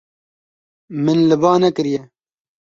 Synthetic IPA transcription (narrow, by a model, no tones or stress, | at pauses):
mɨnlɨbɑːnɛkɨɾjɛ